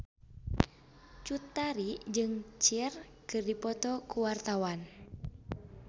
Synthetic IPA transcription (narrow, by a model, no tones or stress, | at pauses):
t͡ʃut̪aɾid͡ʒɨŋt͡ʃir | kɨrdipɔt̪ɔkuwart̪awan